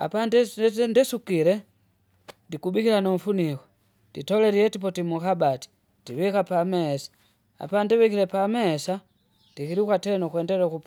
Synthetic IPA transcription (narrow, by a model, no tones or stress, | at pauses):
a̰pandɛndɛsukilɛ | ndikubikilanɔm̩funikɔ | ditɔlɛɾiɛtip̬ɔtimukabati̥ | d̥iwikapamɛːsḁ | a̰pandɛwikiɾɛpamɛːsa | nd̥ikiɾikwatɛnɔkwɛndɛɾɛkup